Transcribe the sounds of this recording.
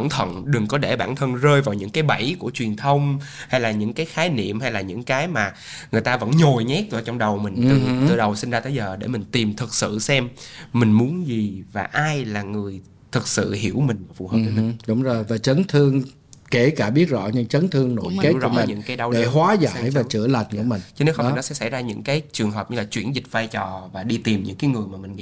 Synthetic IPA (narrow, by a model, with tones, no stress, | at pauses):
ə˧˩ŋ͡mt̪ʰə̰˧˨nɗɨ˨˩ŋkɔ˨˦ɗe˧˩ɓa̰ː˧˩nt̪ʰə˧nzəː˧jvaː˨˩wɲɨ̰˧˥ŋkaː˨˦jɓa˧˩jku˧˩ət͡ɕwi˨˩ənt̪ʰə˧wŋ͡m | ha˧jlaː˨˩ɲɨ̰˧˥ŋkaː˨˦jxaː˨˦jnḭ˧˨əmha˧jlaː˨˩ɲɨ̰˧˥ŋkaː˨˦jmaː˨˩ | ŋɨ˨˩əjt̪aː˧və̰˧˥nɲo˨˩jɲɛ˦˥t̚zə˧˩t͡ɕɔ˧wŋ͡mɗə˨˩wmï˨˩ŋ̟t̪ɨ˨˩ɨ̰˨˩ɗə˨˩wsi˧nzaː˧t̪əː˨˦jzəː˨˩ɗe˧˩mï˨˩ŋ̟t̪i˨˩mt̪ʰɨ˨˩k̚sɨ̰˧˨sɛ˧mːmï˨˩ŋ̟mu˨˦ənzi˨˩vaː˨˩ʔaː˧jlaː˨˩ŋɨ˨˩əj | t̪ʰɨ˨˩k̚sɨ̰˧˨hi˧˩əwmï˨˩ŋ̟vaː˨˩fṵ˨˩həː˨˩˨mi˨ɗə˨˦wŋ͡mzo˨˩jvaː˨˩t͡ɕə˨˦nt̪ʰɨ˧əŋ | ke˧˩kaː˧˩ɓi˦˥ət̚zɔ̰˧˥ɲɨ̰˧˥ŋt͡ɕə˨˦nt̪ʰɨ˧əŋno̰˧˨˦jkːzɔ̰˧˦ŋ͡mːɲɨ̰˧ŋkaː˨˦jɗa˧wɗe˧˩hwaː˨˦za̰ː˧˨jvaː˨˩t͡ɕɨ̰˧˩əla˨˩jŋkɨ̰˧˩əmï˨˩ŋt͡ɕə˧ne˨˦˥xə˧fi˨˩n˨˦sɛ̰˧˥sa̰˧˩jzaː˧ɲɨ̰˧˥ŋkaː˨˦jt͡ɕɨ˨˩əŋɦəː˨˩p̚ɲɨ˧laː˨˩t͡ɕwḭ˧˩ənzï˨˩k̟̚vaː˧jt͡ɕɔ˨˩vaː˨˩ɗi˧t̪i˨˩mɲɨ̰˧˥ŋkaː˨˦jŋɨ˨˩əjmaː˨˩mï˨˩ŋ̟ŋḭ˧˥